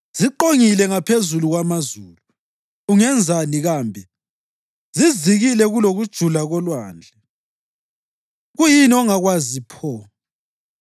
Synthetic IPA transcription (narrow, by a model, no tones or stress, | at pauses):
z̥iǃoŋilɛŋapʰezuluɣwamazuːluː | ŋɛnd͡zʱaniɣaːmbʱɛ | ziziɣilɛɣuloɣud̥ʒ̥ʱulaɣɔlwaːnd͡ɮʱɛ | ɣujiniɔŋaɣwazipʰɔ